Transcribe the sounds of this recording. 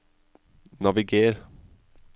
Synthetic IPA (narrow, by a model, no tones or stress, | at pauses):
nɑʋɪɡeːɾ